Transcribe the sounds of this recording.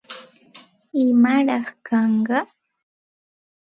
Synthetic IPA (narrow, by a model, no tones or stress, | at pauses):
ɪmaɾɑχkʰɑɴɢɑ